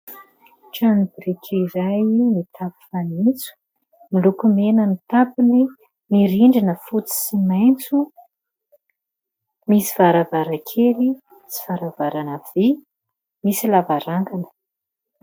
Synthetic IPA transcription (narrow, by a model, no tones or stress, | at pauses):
ʈ͡ʂanibɾikʲʰiɾajmit̪ʰapi̥fanit͡su̥ | milukumenəmit̪apini | miɾiɳɖ͡ʐinəfut͡si̥simajnt͡su | misiv̥aɾavaɾakʰeli | t͡si̥v̥aɾavaɾanav̥e | misilavaɾaŋɡanə̥